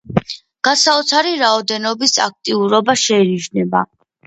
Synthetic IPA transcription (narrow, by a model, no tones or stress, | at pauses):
ɡ̥asaut̪sʰaɾiɾaɔd̪ɛnɔbisa̰k̚ʰt̪ʼiuɾɔbaʃɛiniʒnɛba